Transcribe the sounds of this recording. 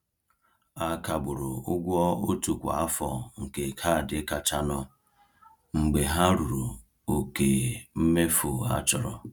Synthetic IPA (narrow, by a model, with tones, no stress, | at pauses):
a˦ka˨bʊ˨ɾʊ˨ʊ˦ɡʷɔ˦o˦tu˨kʷa̰˨a˦fɔ˨ŋ̩˨ke˨kʰa˦˨dɪ˨˦ka˨t͡ʃa˦nɔ˦ | ŋ͡m̩˨ɡ͡be˨ɦa˦ɾu˨ɾu˨ | o˨ke˨m̩˦me˦fo˨a̰˦t͡ʃɔ˨ɾɔ̰˦